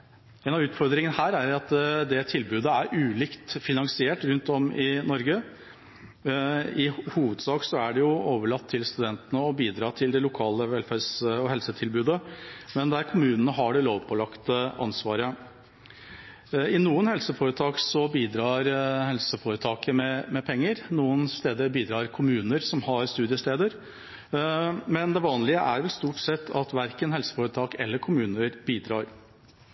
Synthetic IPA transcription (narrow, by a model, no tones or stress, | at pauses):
ɛːnɑʋʉːt̪fɔɾd̪ɾɪŋənəhæːɾæɾɑt̪d̪ɛt̪ʰɪlbʉːd̪əæɾʔʉːliːkt̪fɪnɑŋsɪeːʈɾʉnt̪ɔmɪnɔɾɡə | ɪhuːʋəd̪sɑːksɔæɖɛjʊoːʋəɭɑt̪ʰːɪlst̪ʉd̪ɛnt̪ənəɔbiːd̪ɾɑːt̪ʰɪld̪ɛlʊkʰɑːləʋɛlfæɾsɔɦɛlsət̪ʰɪlbʉːd̪əmɛnd̪æɾkʰʊmʉːnənəɦɑɖɛloːʋpʰɔlɑkt̪əʔɑ̰nsʋɑːɾə | ɪnuːənhɛlsəfoːɾət̪ʰɑːksɔbiːd̪ɾɑːɾhɛlsəfoːɾət̪ʰɑːkəmɛmɛpʰɛŋːəɾnuːənst̪eːd̪əbiːd̪ɾɑːɾkʰʊmʉːnəɾsɔmhɑɾst̪ʉːd̪ɪəst̪eːd̪əɾ | mɛnd̪ɛʋɑːnlɪəʔæɾʋɛlst̪uːʈsɛt̪ʰːɑt̪ʋæɾkənɦɛlsə̥foːɾət̪ʰɑːkɛ̰lːəɾkʰʊmʉːnəɾbiːd̪ɾɑːɾ